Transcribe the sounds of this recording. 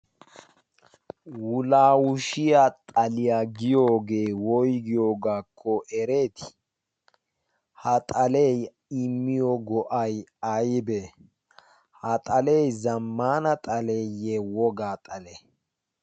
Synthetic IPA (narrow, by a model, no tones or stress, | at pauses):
wʊlaːwʊʃɪjat̪ʼɐlɪjaɡɪjoːɡe̞ːwɔjɡɪjo̞ːɡaːkʰːɔʔɛɾe̞ːt̪ɪ̥ | hɐt̪ʼɐlej | ɪmːɪjɔɡɔʔɐjɐjbɛ | hɐt̪ʼɐlejzɐmːaːnɐt̪ʼɐlejewɔɡaːt̪ʼɐle